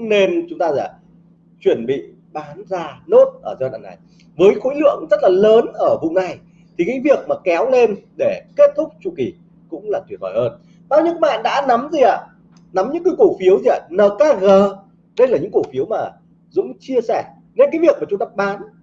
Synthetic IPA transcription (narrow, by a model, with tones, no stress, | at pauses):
ne˧nt͡ɕʊ˨˦ŋ͡mt̪aː˧za̰ː˧˨˩ | t͡ɕwi˧˩ənɓḭ˧˨ | ɓaː˨˦nzaː˧no˦˥t̚ʔəː˧˩zɗa̰ː˨˩ŋna̰˨˩j | vəː˨˦jxo̰˧˥jlɨ̰˧˨əŋzə˦˥t̚laː˨˩ləː˨˦nʔəː˧˩vʊ̰˧˨ŋ͡mna˨˩j | t̪ʰi˨˩ka̰ː˧˥vi˨˩ək̚maː˨˩kɛ˨˦wle˧nɗe˧˩ke˦˥t̚t̪ʰʊ˦˥k͡p̚t͡ɕu˧˩ki˧˩ | kʊ̰˧˥ŋ͡mlaː˨˩t̪wi˨˩t̚hɔ˧˩jhəː˧n | ɓaː˧wɲɨ̰˧˥kːjɓa̰ː˧˨nɗa̰ː˧˥na˨˦mzi˨˩ʔa̰ː˧˨ | na˨˦mɲɨ̰˧˥kɨ˨˦ko˧˩fi˨˦əwzi˨ʔa̰ː˨˩nəː˨˩kaː˧ɣəː˨˩ | ɗə˧jlaː˨˩ɲɨ̰˧˥ŋko˧˩fi˨˦əwmaː˨˩ | zʊ̰˧˥ŋ͡mt͡ɕi˧əsɛ˧˩ | ne˧nkaː˨˦jvi˨˩ək̚maː˨˩t͡ɕʊ˨˦ŋ͡mt̪aː˧˩ɓaː˨˦n